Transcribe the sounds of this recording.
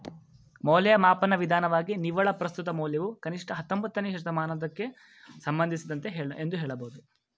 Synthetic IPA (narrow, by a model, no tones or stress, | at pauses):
mɔːlɛjɐmaːpɐnɐʋid̪ʱaːnɐʋaːɡiniʋɐɭɐpɾɐst̪ut̪ɐmoːleʋukɐniʂʈɐɦɐt̪ːombɐt̪ːɐneɦɐʂɐd̪ɐmaːnɐd̪ɐkːe̞ | sɐmbɐnd̪isid̪ɐnt̪e̞ɦeːɭʔend̪uɦɛːɭɐbɐɦud̪u